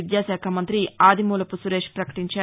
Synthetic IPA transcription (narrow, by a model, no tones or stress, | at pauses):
d̪jaːʃaːkʰaːmɐnt̪ɾiaːd̪ʱimuːlɐpusuɾeːʂpɾɐkɐ̥ʈiɲt͡ʃaː